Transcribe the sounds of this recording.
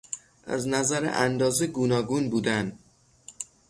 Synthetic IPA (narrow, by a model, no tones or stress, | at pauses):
ʔæ̰znæzæɾḛʔænd̪ɒːzeɡuːnɒːɡunbuːd̪æn